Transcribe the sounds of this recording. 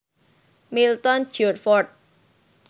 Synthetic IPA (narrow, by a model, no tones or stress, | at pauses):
milt̪ɔn̥d͡ʒɔt̪̚fɔrt̪̚